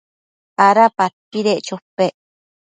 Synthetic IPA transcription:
aɾapat̪ːiɾeʔt͡ʃopːeʔ

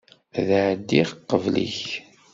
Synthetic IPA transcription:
ðʕəd̪ːiʁqːəvlḭç

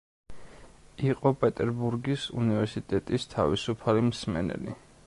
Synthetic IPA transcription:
iqʼɔpʼɛt̪ʼɛɾbuɾɡisṵnivɛɾsit̪ʼɛt̪ʼist̪ʰavisupʰalimsmɛ̰nɛ̰lḭ

